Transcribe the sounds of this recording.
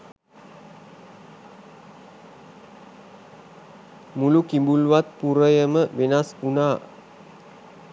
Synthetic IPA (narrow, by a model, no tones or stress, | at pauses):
mulukimbuluwat̪̚puɾəjəməʔbenasunaʔ